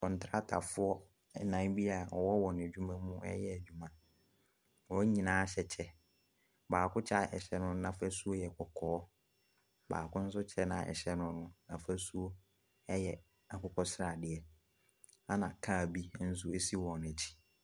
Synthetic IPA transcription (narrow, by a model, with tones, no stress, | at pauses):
kɔ̃˨n˨tʰɾa˦tʰa̰˨fʊ˦ɔ˦˨ | nã˨˦nbi˦a˨ɔ˨wɔ˦wɔ˨n˨æ˨d͡ʑᶣu˦mã˦mʊ̃˦ʔɛ̰˦jɛ˦æ˨d͡ʑᶣu˨mã˦ | wɔ˦ɲĩ˨nãː˨˦ɕɛ˨t͡ɕʰɛ˦ | baː˨kʊ̃˦t͡ɕʰa˦ɛ̰˨ɕɛ˦nʊ̃˦nã˨fæ˦su˦o˦jɛ˨kʰɔ˨kʰɔː˨˦ | ba̰ː˨kʊ̃˦n̩˦s̬ʊ˦t͡ɕʰɛ˦nã̰˨ʔɛ̰˨ɕɛ˦nʊ̃˦nʊ̃˦nã˨fæ˦su˦o˦ | ɛ˦jɛ˨ | a˨kʊ˦kʰɔ˦sɾa˨dɪ˨ɛ˨ | a˦nã˨kʰa˦˨bi˦n̩˦s̬ʊ˦e˦si˦wɔ̃˨n˨æ˨tʰi̥˦